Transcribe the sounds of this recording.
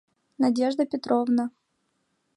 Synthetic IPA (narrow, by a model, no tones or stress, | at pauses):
nɐdʲeʐd̪əpʲɪt̪ɾovnə